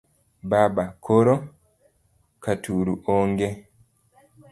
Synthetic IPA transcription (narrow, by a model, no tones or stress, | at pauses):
babakʰɔɾɔ | katuɾuʔɔŋɡe